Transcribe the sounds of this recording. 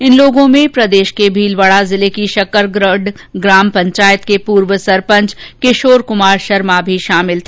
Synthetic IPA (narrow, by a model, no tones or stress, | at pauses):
ɪnloːɡõmẽpɾɐd̪eːʃkebʱiːlʋəɭazɪlekiʃɐkəɾɖ | ɡɾaːmpɐ̃ɲt͡ʃaːjət̪kepuːɾʋəsɐɾpə̃ɲt͡ʃkɪʃoːɾkʊmaːɾʃɐɾmabʱiʃaːmɪlt̪ʰe